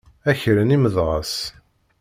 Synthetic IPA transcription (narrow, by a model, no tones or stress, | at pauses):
æçɾəniməðʁəs